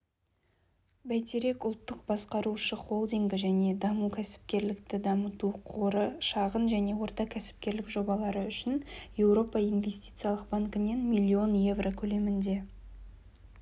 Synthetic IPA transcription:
bæjt̪eɾe̞kʊlˠt̪ːəqbɑsqɑɾuʃəχo̞lˠd̪iŋɡʲɪʒæne̞d̪ɑmukʲʰæsɪ̥p̚kʲe̞ɾlɪkt̪ɪd̪ɑmət̪uqʰoɾəʃɑʁənʒæne̞wo̞ɾt̪ɑkʲʰæsɪ̥p̚kʲe̞ɾlɪkʒo̞bɑlˠɑɾəʏʃɪnje̞wɾo̞pɑijnvʲe̞st̪i̥t̪sijɑlˠəqbaŋkɪne̞nmilʲːio̞nje̞vrokʲʰɵle̞mɪnd̪e̞

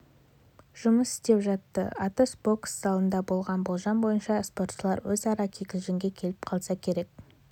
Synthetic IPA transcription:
ʒ̥ʊməsɪ̥st̪e̞pʒɑt̪ːə̰ʔɑt̪əsbo̞ksːɑlˠənd̪ɑbo̞lˠʁɑnbo̞lˠʒɑnbo̞jənʃɑspo̞rt̪ʃəlˠɑɾwɵzɑɾɑkʲʰekʲɪzɡɪŋɡʲe̞kʲʰe̞lɪp̚qʰɑlˠsɑkʲʰe̞ɾe̞k̚

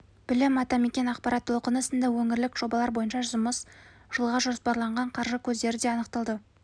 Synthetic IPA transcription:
b̥ɪlɪmɑt̪ɑme̞kʲe̞nɑqpɑɾɑt̪ʰːo̞lˠqənəsənd̪ɑwɵŋɪɾlɪkʒ̥o̞bɑlˠɑɾbo̞jənʃɑʒʊməs | ʒ̥əlˠʁɑʒo̞spɑɾlˠɑɴʁɑɴqʰɑɾʒəkʲʰɵzd̪e̞ɾɪd̪e̞ɑnəqt̪ɑlˠd̪ə

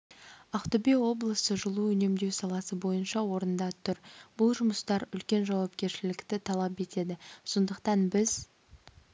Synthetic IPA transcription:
ɑqt̪obewo̞blˠəsəʒʊlˠuɵne̞md̪e̞wsɑlˠɑsəbo̞jənʃɑwo̞ɾənd̪ɑt̪ʰʏɾb̥ʊlˠʒʊməst̪ɑɾʏlkʲe̞nʒɑwɑp̚kʲe̞ɾʃɪlɪkt̪ɪt̪ʰɑlˠɑpe̞t̪e̞d̪ɪso̞nd̪əqt̪ɑnbɪz

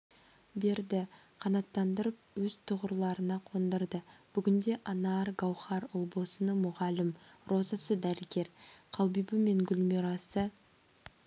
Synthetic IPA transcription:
be̞ɾd̪ɪqʰɑnɑt̪ːɑnd̪əɾəp̚wɵz̥t̪ʰʊʁəɾlˠɑɾənɑqʰond̪əɾd̪əb̥ʏɡʲɪnd̪e̞ʔɑnɑɾɡɑwχɑɾʊlˠbo̞sənəmʊʁɑlɪmro̞zɑsəd̪æɾəɡʲe̞ɾqʰɑlˠbijbəme̞ŋɡʲʏlmeɾɑsə

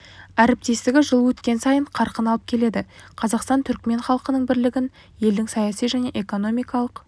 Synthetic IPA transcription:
æɾɪp̚t̪e̞st̪ɪɡʲɪʒəlˠwɵt̪kʲe̞nsɑjəɴqʰɑɾqənɑlˠəp̚kʲʰe̞le̞d̪ɪqʰɑzɑqst̪ɑnt̪ʰʏɾkme̞nχɑlˠəqənəɴbɪɾlɪɡʲɪn | je̞ld̪ɪŋsɑjɑsijʒæne̞ʔeko̞no̞mijkɑlˠəq

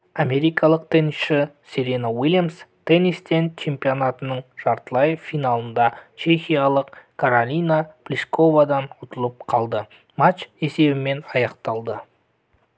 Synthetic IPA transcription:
ame̞ɾijkʰɑlˠəq̚t̪ʰenisʃɪ | seɾenawilʲjamst̪ʰenist̪ent͡ʃʰe̞mpionat̪ənəɴʒ̥ɑɾt̪əlˠɑjəfːijnalˠənd̪ɑt͡ʃe̞xʲijalˠəqkʰaɾolʲijnaplʲisko̞vad̪ɑnʊt̪əlˠəp̚qʰɑlˠd̪ə | matt͡ʃe̞se̞bɪme̞nɑjɑqt̪ɑlˠd̪ə

